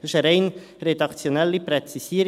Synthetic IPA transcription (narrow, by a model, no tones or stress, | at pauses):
ʃəɾɛɪn | ɾed̪ɑkt͡sjonɛlːipɾɛt͡sisiəɾ